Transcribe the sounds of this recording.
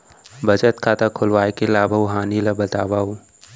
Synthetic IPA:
bɐd͡ʒət̪kʰaːt̪akʰʊlʋaːekelaːbʱəɦaːnilabɐt̪aːbaːu

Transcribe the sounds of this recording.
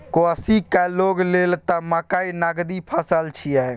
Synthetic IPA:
koəsikɛloɡlelt̪əmakainaɡd̪ipʰəsəlt͡ʃʰijɛ

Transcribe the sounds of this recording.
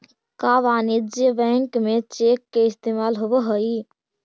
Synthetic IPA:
kaʋanid͡ʒjəbɛ̃ŋkmet͡ʃekːeist̪emalɦobəɦəi

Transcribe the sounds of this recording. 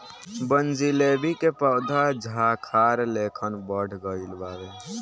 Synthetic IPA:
bənd͡ʒileːbikepəʊd̪ʱad͡ʒʱakʰaːɾleːkʰənbəɽ̤ɡəilbaːʋe

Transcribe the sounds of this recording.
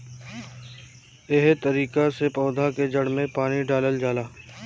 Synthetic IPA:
eɦt̪əɾiːkasepɔːd̪ʱaked͡ʒəɽmẽpaːniɖaːləld͡ʒaːlaː

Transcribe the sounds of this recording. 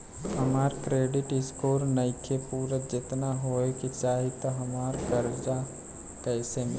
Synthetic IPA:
ɦəmaːɾkɾeːɖɪʈɪskoːɾnəɪkʰepuːɾət̪d͡ʒɪt̪naɦoekit͡ʃaːɦit̪oɦɐmaːɾkəɾd͡ʒa | kɛːsemɪ

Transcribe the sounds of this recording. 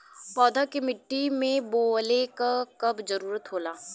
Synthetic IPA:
pɔːd̪ʱakemɪʈːimẽboːlekakɐbd͡ʒɐɾuːɾət̪ɦoːlaː

